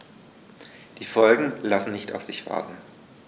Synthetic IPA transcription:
d̥iːfɔlɡŋ̩lasn̩nɪçta̰ʊfz̥ɪçv̥a̰ɐtn̩

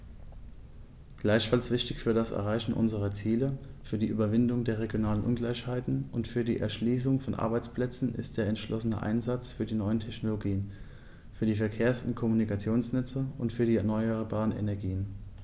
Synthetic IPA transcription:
ɡ̥laɪçfalsv̥ɪçtɪçfyːɐdasɛ̰ɐʁaɪçn̩ʔʊ̰nzəʁɐt͡siːləfyːɐdiːʔy̰ːbɐvɪndʊŋdeːɐʁ̞eɡjonaːlənʔʊnɡlaɪçhaɪtn̩ʔʊntfyːɐdḭːʔɛ̰ɐʃliːs̬ʊŋfɔnʔa̰ɐbaɪt͡spl̥ɛt͡sn̩ɪ̰st̚d̥eːɐɛntʃlʔɔsənə̰ʔa̰ɪnzat͡sfyːɐdiːnɔʏəntʰɛçnoloɡiːən | fyːɐdiːfɛɐkʰeːɐsʊntkʰɔmunikat͡sjoːnsnʏt͡səʔʊntfyːɐdiːɛɐnɔʏəʁbaːʁ̞ənḛnɛɐɡiːən

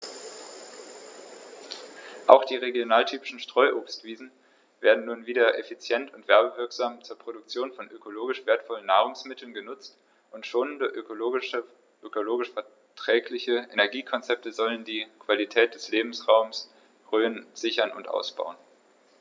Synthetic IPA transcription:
ʔa̰ʊxd̥iːʁeɡjonaːltʰyːpɪ̥ʃn̩ʃtʁ̥ɔʏʔoːpstv̥iːzn̩ | vḛːɐdn̩nuːnviːdɐʔefit͡sjɛntʊntv̥ɛɐbəvɪɐkz̥aːmt͡suːɐpʁ̥oɾʊkt͡sjoːnfɔnʔøkoloːɡɪʃv̥eːɐtfɔlənːaːʁ̞ʊŋsmɪtʰl̩n̩ɡənʊt͡st | ʔʊntʃoːnəndə | ʔøkoloːɡɪʃfɛɐ | tʁ̥ɛːklɪçəenɛɐɡiːkʰɔnt͡sɛp̚təzɔləndiːkv̥alitʰɛːt̚d̥ɛsleːbm̩sʁaʊms | ʁøːənz̥ɪçɐnʊ̰ntʔa̰ʊsb̥a̰ʊən

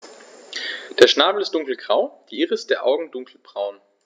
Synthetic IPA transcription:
d̥eːɐʃnaːbl̩ɪstd̥ʊŋkl̩ɡ̥ʁaʊd̥iːʔiːʁəɪstd̥eːɐʔa̰ʊɡŋ̩dʊŋkʰl̩b̥ʁaʊn

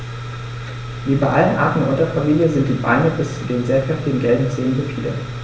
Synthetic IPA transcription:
viːbaɪʔalənʔa̰ɐtn̩ʔʊntɐfamiːljəzɪnt̚d̥iːba̰ɪnəbɪst͡sudeːnzɛːpɛftɪɡŋ̩ɡɛldn̩t͡seːləndəfiːdə̰

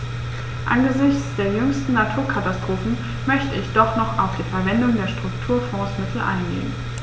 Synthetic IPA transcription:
ʔa̰nɡəzɪçt͡sd̥eːɐjʏŋstn̩natʰuːɐkʰatastʁ̥oːfn̩ | mœçtəɪçd̥ɔχnɔχaʊfd̥iːfɛɐvɛndʊŋdeːɐʃtʁ̥ʊktʰuːɐfɔ̃ːsmɪtʰl̩ʔa̰ɪnɡḛːən

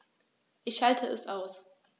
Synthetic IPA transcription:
ʔɪçhaltʰəʔɛsʔaʊs

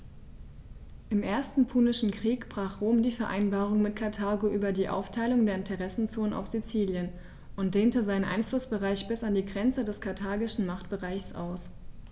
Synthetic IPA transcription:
ʔɪmʔeːɐstn̩pʰuːnɪʃn̩kʁ̥iːkb̥ʁaːχʁ̥oːmdiːfɛɐʔa̰ɪnbaːʁ̞ʊŋmɪtkʰaɐtʰaːɡoʔyːbɐdiːʔa̰ʊftʰaɪlʊŋdeːɐɪntʰəʁɛsn̩t͡soːnənʔa̰ʊfz̥it͡siːljən | ʔʊnt̚d̥eːntəzaɪnənʔa̰ɪnflʊsb̥əʁaɪçb̥ɪsandiːɡʁɛnt͡sədɛskʰaɐtʰaːɡɪʃn̩maχtb̥əʁaɪçsʔa̰ʊs

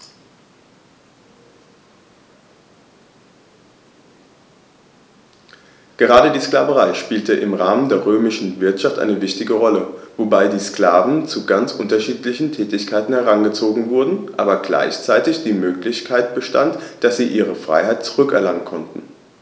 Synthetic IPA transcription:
ɡ̥əʁaːɾədiːsklaːvəʁaɪʃpiːltəʔɪmʁaːməndeːɐʁøːmɪʃn̩vɪɐtʃaftʔa̰ɪnəvɪçtɪɡəʁɔləvobaɪdiːsklaːvn̩t͡suɡant͡sʔʊntɐʃiːtlɪçn̩tʰɛːtɪçkʰaɪtn̩hɛʁanɡət͡soːɡŋ̩vʊɐdn̩ʔa̰ːbɐɡla̰ɪçt͡saɪtɪçd̥iːmøːklɪçkʰaɪt̚b̥əʃtantd̥asz̥iːʔiːʁ̞əfʁ̥a̰ɪɦaɪt̚t͡su̥ʁʏkɛɐlaŋənkʰɔntn̩

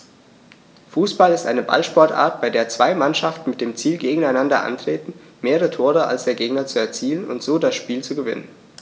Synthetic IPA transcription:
fuːsb̥alɪstʔa̰ɪnəba̰lʃpɔɐtʔa̰ɐt̚b̥aɪdeːɐt͡sv̥aɪmanʃaftn̩mɪt̚d̥eːmt͡siːlɡeːɡŋ̩aɪnandɐʔa̰ntʁ̥eːtn̩ | meːʁətʰoːʁəa̰lsd̥eːɐɡeːɡnɐt͡suɛɐt͡siːlənʊ̰ntz̥oːdasʃpiːlt͡suɡəvɪ̰nə̰n

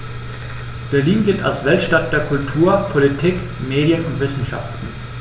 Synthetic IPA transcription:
b̥ɛɐliːnɡɪlta̰lsv̥ɛltʃtat̚d̥eːɐkʰʊltʰuːɐpʰolitʰiːk | meːɾjənʊntv̥ɪsn̩ʃa̰ftn̩

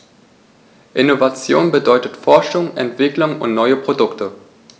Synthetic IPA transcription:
ʔɪnovat͡sjoːnbədɔʏtətfɔɐʃʊŋʔɛ̰ntv̥ɪklʊŋʊ̰ntnɔʏəpʁ̥odʊktə

